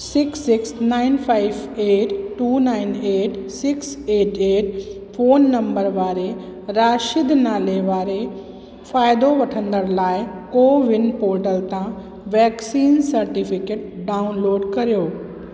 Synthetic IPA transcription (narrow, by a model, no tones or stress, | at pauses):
sɪksɪksnaːɪnpʰaːɪʋeːʈʈːuːnaːɪneːʈsɪkseːʈeːʈ | fʰoːnːɐ̃mbəɾʋaːɾe | ɾaːʃɪd̪naːleʋaːɾe | faːɪd̪oʋɐʈʰə̃nd̪əɾlaːɪkoːʋɪnpoːɾʈəlt̪ã | ʋɛːksiːnsɐɾʈipʰɪkeːʈ̚ɖaːʊnloːɖkɐɾijoː